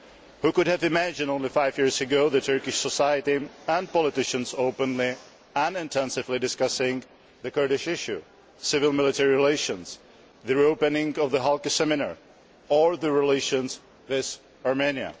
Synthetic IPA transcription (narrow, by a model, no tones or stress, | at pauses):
hukʊdhɨvɨmæd͡ʒɨ̃nõʊ̃nlifaɪvjɪɹzɨɡoʊðɨtʰɜ˞kɪʃsəsaɪjɨɾiə̃npɔlɪtɪʃɨ̃nsoʊpə̃nli | ə̃nɪ̃ntʰɛ̃nsɨvlidɨskʌsɪ̃ŋ | ðɨkɜɹɾɪʃɪʃʉ | sɪvɪlˠmɪlˠɪtʰɛɹiɹɪleɪʃɨ̃ns | ðɨɹioʊpɨ̃nɪ̃ŋʌvðəɦalˠkɨsɛmɪnə̰˞ | ə˞ðɨɹɪleɪʃɨ̃nz | wɪð | ɑɹmẽniɨ̰